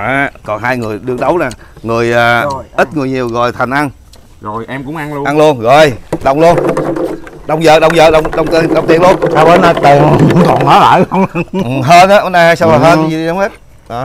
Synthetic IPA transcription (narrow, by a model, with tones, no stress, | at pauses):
ʔaː˨˩kɔ˨˩nɦaː˧jŋɨ˨˩əjɗɨ˧əŋɗə˨˦wnaː˨˩ŋɨ˨˩əjʔaː˨˩ʔi˦˥t̚ŋɨ˨˩əjɲi˨˩əwɣɔ̰˨˩jt̪ʰa˨˩jŋ̟ʔa˧n | zo˨˩jʔɛ˧mkʊ̰˧˥ŋ͡ma˧n˧ʔa˧nlu˧ənzo˨˩jɗə˨˩wŋ͡mlu˧ən | ɗə˨˧˩wŋ͡mzəː˨˩ɗə˨˩wŋ͡mzəː˨˩ɗə˧˩wŋ͡mɗə˧˩wŋ͡mt̪i˧˩ɗə˧˩wŋ͡mt̪i˨˩ənlu˧ənt̪aː˧ɓə˨˦naː˧t̪i˨˩ən˨˩k̪ɔ̰˨˩nməː˨˦la̰ː˧˨jxə˧wŋ͡mɦəː˧nʔaː˨˦ʔnaː˧haː˧jsa˧wlaː˨˩ɦəː˧n˧zi˨˩ɗi˧ɗa˨˦wŋ͡mhe˦˥t̚ː